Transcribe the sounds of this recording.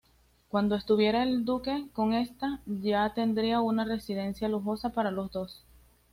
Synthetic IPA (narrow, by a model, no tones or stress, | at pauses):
kwand̪o̞e̞st̪uβje̞ɾae̞ld̪uke̞ko̞ŋe̞st̪aʝat̪e̞nd̪ɾiaunare̞sið̞e̞nsjaluxo̞sapaɾalo̞zd̪o̞s